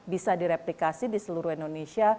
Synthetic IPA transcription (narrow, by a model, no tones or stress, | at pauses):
bisadiɾeplikasidisəluɾuhɛndonesia